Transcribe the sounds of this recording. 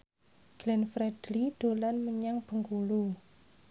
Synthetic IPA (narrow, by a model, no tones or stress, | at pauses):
ɡ̥lɛnfɾɛd̥liɖ̪̥o̤lanməɲaŋb̥ə̤ŋkulu